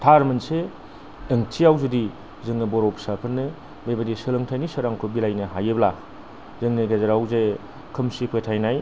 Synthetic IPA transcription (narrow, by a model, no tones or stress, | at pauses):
tʰaɾmɯnseː | ŋt͡ʃʰiawzudi | zɯŋnɯbɔɾowpsapʰɯɾnɯ | bejbadisɯlɯŋtʰajnisɐɾaŋkʰɯbilajnɯɦajɯbla | zɯŋnɯɡezeɾawze | kʰɯmsipʰetʰajnaj